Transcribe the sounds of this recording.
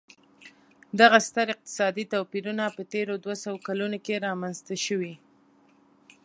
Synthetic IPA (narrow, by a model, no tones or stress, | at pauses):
d̪aɣast̪aɾɪq̚t̪ɪ̥sɑd̪it̪apiɾunapət̪eɾod̪wasawokalunokeɾɑmanzt̪aʃəwi